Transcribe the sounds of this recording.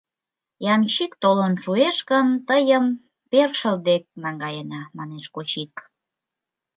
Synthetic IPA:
jɑmt͡ɕikt̪olonʃueʃkənt̪əjəm | perʃəld̪ek̚nɑŋɡɑjenɑmɑneʃkot͡ɕik

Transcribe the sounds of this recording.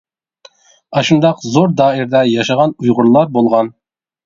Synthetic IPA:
ɑʃund̪ɑqzoɾd̪ɑːiɾd̪ɛjɑʃɑʁɑnujʁʊɾlˠɑɾbolˠʁɑn

